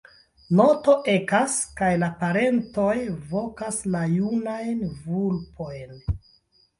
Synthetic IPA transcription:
no̞to̞ʔe̞kaskajlapaɾe̞nto̞jvo̞kaslajunajnvulpʰo̞jn

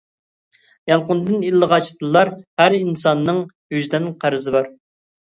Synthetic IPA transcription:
jɑlˠqʊnd̪ɨnilːəʁɑt͡ʃʰt̪ɨlˠːɑɾhæɾinsɑnːɨŋ | hyʒd̪ɛnqʰæɾɨzɨbɑɾ

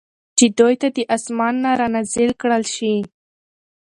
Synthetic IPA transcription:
t͡ʃed̪ojt̪ad̪əʔasmɑnːaɾɑnazɪlkɽəlʃi

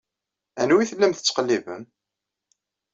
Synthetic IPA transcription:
ænwiθəlːæmθə̥t͡sːə̥qəlːivə̰m

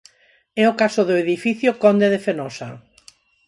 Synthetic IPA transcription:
ɛʊkasoðoeðifiθjokɔnd̪eðefenɔsa̰

